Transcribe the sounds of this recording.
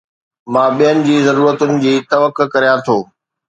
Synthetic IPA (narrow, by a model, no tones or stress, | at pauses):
mãːɓijənɪ̆d͡ʑiːzɐɾuːɾət̪ʊnɪ̆d͡ʑiːt̪ɐʋəkʊ̆kɐɾijãt̪ʰoː